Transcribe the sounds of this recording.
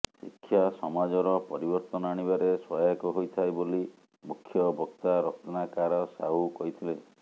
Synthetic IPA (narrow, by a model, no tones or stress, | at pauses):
sikʰːjasɔmad͡ʒɔɾɔpɔɾibɔɾt̪ɔnɔaɽ̃ibaɾeswɔjakɔɦojt̪ʰajboli | mukʰːjɔbʱɔkt̪aɾɔk̚t̪ʰɔnakaɾɔsaukɔɦit̪ʰile